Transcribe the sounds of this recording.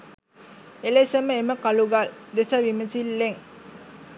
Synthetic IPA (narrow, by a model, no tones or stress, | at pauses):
elesəməeməkɐluɡald̪esɐʋiməsilːeŋ